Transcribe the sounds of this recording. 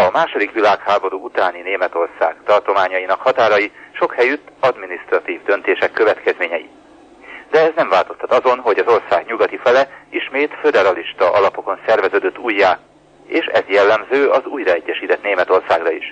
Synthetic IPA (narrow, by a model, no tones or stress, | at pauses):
ɒmaːʃo̞d̪ikʋilaːkhaːbo̞ɾuːut̪aːnineːmɛt̪o̞rsa̰ːɡ̥t̪ɒrt̪o̞maːɲɒjinɒkhɒt̪aːɾɒjiʃo̞khɛjyt̪ːɒd̪minist̪rɒt̪iːvd̪ø̞nt̪eːʃɛkːøvɛt̪kɛzmeːɲɛjḭ | d̪ɛɛznɛɱvaːlt̪o̞st̪ʰɒt̪ɒzo̞nɦo̞ɟɒzo̞rsaːɡɲuɡɒt̪ifɛlɛiʃmeːt̪fø̞d̪ɛɾɒliʃt̪ɒʔɒlɒpo̞ko̞nsɛrvɛzøːd̪øt̪ːuːjːaː | eːʃɛ̰zjɛlːɛmzøːɒzuːjrɒɛɟːɛʃiːt̪ɛt̪neːmɛt̪orsaːɡrɒiʃ